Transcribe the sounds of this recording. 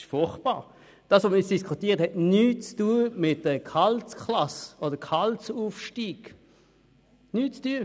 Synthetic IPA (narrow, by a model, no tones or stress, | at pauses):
ɪʃfʊχt̚b̥ɑ̰ːʁ | d̥ɑːsʋoməɪt͡ssd̥iskʰutiːʁthɛtnyːt͡stuəmɪt̚d̥əkʰalt͡skʰlɑsodəkʰalt͡suːfʃtiːɡ̥ | nyːt͡styː